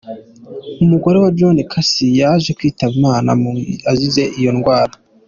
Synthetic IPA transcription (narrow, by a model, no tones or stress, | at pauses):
umuɡo̞ɾe̞wad͡ʒonekʰasijaʒekwiːtaβumaːna̰aʒize̞ʔijo̞nɡwaːɾa